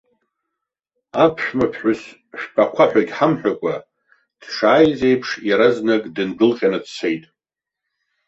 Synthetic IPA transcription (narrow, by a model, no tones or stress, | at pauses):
apʰʂmapʰħʷʊs | ʃᶣpʰʼaqʷʰaħʷᶣajtʼħamħʷᶣakʷʼa | d̥ʂaːjze̞jpʰʂjaɾaznakʼdɨnɡɨlqʲʼanadsʰe̞jtʼ